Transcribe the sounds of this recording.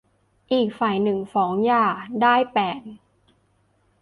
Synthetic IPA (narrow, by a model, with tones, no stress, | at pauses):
ʔiː˨˩k̚faː˨˩jnɯ˨˩ŋfɔː˩˦ŋjaː˧˩daː˥˩jpɛː˨˩t̪̚